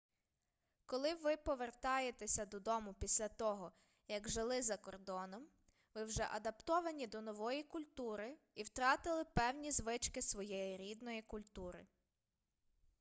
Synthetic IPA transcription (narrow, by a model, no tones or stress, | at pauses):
kɔlˠɪʋɪpɔʋert̪ɑjet̪esʲɐd̪ɔd̪ɔmʊpʲisʲlʲɐt̪ɔɦɔ | jɐɡʒɪlˠɪzɐkɔrd̪ɔnɔm | ʋɪwʒɛ̰ʔɐd̪ɐpt̪ɔʋɐnʲid̪ɔnɔʋɔjikʊlʲt̪uɾɪ | iwt̪ɾɑt̪ɪlˠɪpɛwnʲizʋɪt͡ʃkɪsʋɔjɛjiɾʲid̪nɔjikʊlʲt̪uɾɪ̰